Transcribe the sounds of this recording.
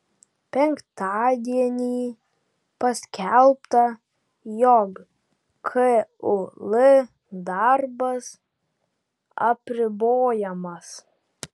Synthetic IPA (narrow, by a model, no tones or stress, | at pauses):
pʲɛŋkt̪ɑːd̪ʲiɛnʲiː | pɐsʲkʲɛlˠpt̪ɐ | jɔk | kʰɛʊlˠɪ | d̪ɑɾbɐs | ɐpʲɾʲɪboːjɛmɐs